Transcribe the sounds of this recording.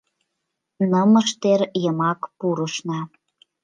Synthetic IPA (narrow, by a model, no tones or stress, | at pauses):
nəməʃt̪eɾjəmɑkpuɾəʃnɑ